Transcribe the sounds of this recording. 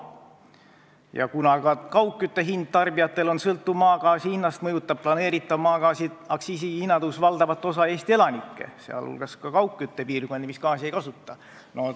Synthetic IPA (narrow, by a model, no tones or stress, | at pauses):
jɑ̰kunɑkɑkɑwkːˑyt̪ːe̞ɦind̪̥̚t̪ɑrbijɑt̪ːˑe̞lo̞nsɤlt̪ːumɑːkɑːsihinːɑst̪mɤ̞jut̪ːˑɑb̥̚plɑne̞ːɾit̪ːˑɑmɑːkɑːsi | ɑksiːsihinːɑd̪̥usvɑld̪ɑvɑt̪ːˑo̞sɑe̞ːst̪ie̞lɑnikːe̞̰seɑ̰lhṵlɡ̥ɑskɑkɑwkːˑyt̪ːe̞piːrɡ̥o̞nʲd̪imiskɑːsie̞jkɑsut̪ːˑɑ | no